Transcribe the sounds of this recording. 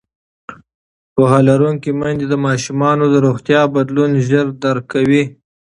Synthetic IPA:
pohɑlaɾuŋkimand̪ed̪əmɑʃumɑnod̪əɾoxt̪jɑbad̪lunʒəɾd̪aɾkawi

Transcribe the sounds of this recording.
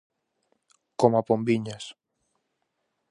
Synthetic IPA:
komapombiɲas

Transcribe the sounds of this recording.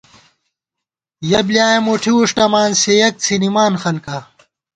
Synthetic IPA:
jɐblijaːemuʈʰiuʂʈɐmaːnsejɐk̚t͡sʰinimaːnxɐnkɐ

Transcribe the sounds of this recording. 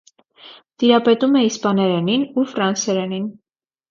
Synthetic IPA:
t̪iɾɑpɛt̪umɛispɑnɛɾɛninufɾɑnsɛɾɛnin

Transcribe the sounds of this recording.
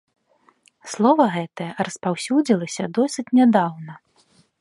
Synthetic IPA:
slˠɔvɐɣɛt̪ɐjɐrɐspawsʲud͡zʲilˠɐsʲɐd̪ɔsʲɨt͡sʲnʲad̪awnɐ

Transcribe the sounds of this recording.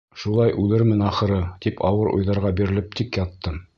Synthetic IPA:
ʃulˠɑjʔʉlɘɾmɘnɑχɤ̆ɾɤt̪ipʰɑwɤɾṵjðɑɾʁɑbiɾɘ̆lɘp̚t̪ʰikjɑt̪ːɤ

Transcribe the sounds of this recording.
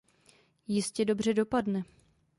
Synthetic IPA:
jɪscɛdo̞br̝ɛdo̞padnɛ

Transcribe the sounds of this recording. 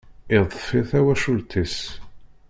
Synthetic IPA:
ɪðˤfiθæwæʃult̪ʰis

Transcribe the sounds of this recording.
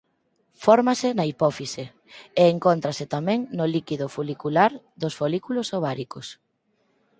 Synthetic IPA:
fɔɾmasɪnɐipɔfise | eːŋkont̪ɾasɪt̪amɛ̃ŋnolikiðʊfulikulaɾ | ðosfolikulosoβ̞aɾikos

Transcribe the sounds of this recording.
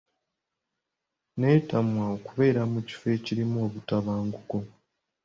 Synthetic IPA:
ne̞ːtamwaokuβe̞ːɾamuci̥fe̞ːciɾimoːβutaβaːŋɡuko̞

